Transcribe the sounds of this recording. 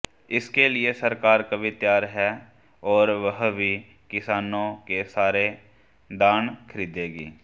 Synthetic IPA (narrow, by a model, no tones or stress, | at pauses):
ɪskelɪesɐɾkaːɾkɐbʱit̪jaːɾɦɛ | ɔːɾʋɐɦbʱi | kɪsaːnõkesaːɾe | d̪aːnkʰəɾiːd̪eːɡḭː